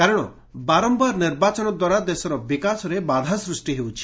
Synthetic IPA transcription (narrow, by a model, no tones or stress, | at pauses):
kaɾɔɽ̃ɔ̰ | baɾɔmbaɾniɾbat͡ʃɔnɔd̪waɾad̪esɔɾɔbikasɔɾebad̪ʱasɾusʈiɦewt͡ʃʰi̥